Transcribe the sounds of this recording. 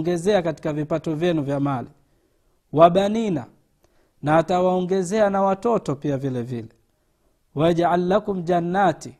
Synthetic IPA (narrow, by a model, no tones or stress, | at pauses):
ŋɡɛzɛakati̥kavipatɔvjɛnuvjamali | waɓanina | naːtawaɔŋɡɛzɛanawatɔtɔpiavilɛvilɛ | waʄaʕalːakum̩d͡ʒanːati